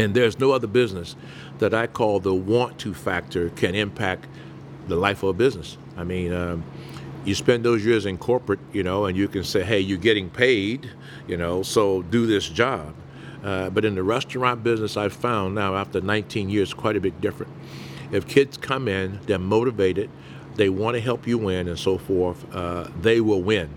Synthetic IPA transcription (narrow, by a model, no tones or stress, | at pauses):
ɨ̃nðə˞znoʊʌðə˞bɪznɨs | ðɨɾaɪkʰɔlˠðəwɑ̃ntʰʉfæk̚tʰə˞kʰɨ̃ñɪ̃mpʰæk̚ | ðəlaɪfʌbɪznɨs | aɪmĩnʌ | jɨspɛ̃nðoʊzjɪɹzɨ̃nkʰɔɹpɹɨt̚jɨnoʊə̃njɨkɨ̃nseɪɦeɪjə˞ɡɛɾɪ̃ŋpʰeɪd | jɨnoʊsoʊdɨðɪsd̥ʒ̥ɑb̥̚ | ʌbʌɾɨ̃nðɨɹɛstə˞ɑ̃nb̥ɪznɨsaɪv̥fãʊ̃nːaʊæftə˞nãɪ̃ntʰĩnjɪɹz̥kʰw̥aɪɾɨbɪt̚d̥ɪfɹɨ̃nt̚ | ɨfkʰɪdz̥kʰʌ̃mɪ̃nðɨ̃moʊɾɨveɪɾɨt̪̚ | ðeɪwɑ̃nɨɦɛlˠpjɨwɪ̃nɨ̃nsoʊfɔɹθʌðeɪwɪlˠwɪ̃n